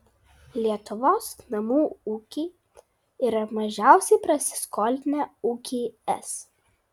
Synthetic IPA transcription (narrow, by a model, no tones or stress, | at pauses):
lʲiɛt̪ʊʋoːsnɐmuːuːkʲiː | iːɾɐmɐʒʲæˑʊsʲɛɪpɾɐsʲɪ̥skɔːlʲnʲɛuːkʲiːɛ̰s